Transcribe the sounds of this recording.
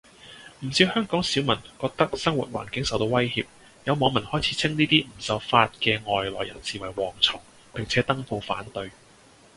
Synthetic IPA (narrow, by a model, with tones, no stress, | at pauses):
m̩˨˩siː˧whœː˥ŋkɔː˨˥ŋsiː˨˥wmɐ˨˩nkɔː˧k̚t̪ɐ˥k̚sɐ˥ŋwṵː˨t̚wa̰ː˨˩nkɪ˨˥ŋsɐ˨wt̪o˧wɐ˥jhiː˧p̚ | jɐ˨˧wmɔː˨˧ŋmɐ˨˩nhɔː˥jt͡sʰiː˨˧t͡sʰɪ˥ŋniː˥t̪iː˥m̩˨˩sɐ˨˧wfaː˧t̚kɛː˧ŋɔː˨jlɔ̰ː˨˩jɐ̰˨˩nsiː˨˩wɐ˨˩jwɔː˨˩ŋt͡sʰɔː˨˩ŋ | pɪ˨ŋt͡sʰɛː˨˥t̪ɐ˥ŋfo˧wfaː˨˥nt̪ɵ˧ɥ